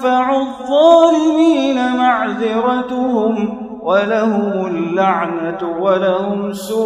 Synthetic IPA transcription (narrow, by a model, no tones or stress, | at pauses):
faʕʊðˤːɑːlɪmiːnamaʕðɪɾɑt̪ʊhʊm | walahʊmʊlːaʕnawalahʊmsʊ